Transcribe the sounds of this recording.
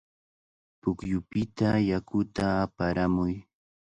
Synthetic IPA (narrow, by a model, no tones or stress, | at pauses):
pʊkjʊpɪt̪ajakʊt̪aːpaɾamʊj